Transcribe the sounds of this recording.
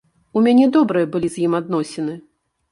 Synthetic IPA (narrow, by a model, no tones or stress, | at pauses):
umʲanʲɛd̪ɔbɾɨjɐbɨlʲizʲjimad̪̚nɔsʲɛnɨ